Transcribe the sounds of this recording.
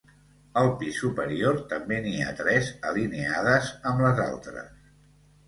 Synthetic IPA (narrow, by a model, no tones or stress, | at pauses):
əlˠpisupəɾioɾt̪əmbenia̰t̪ɾɛzəlineaðəzəmləza̰lˠt̪ɾə̰s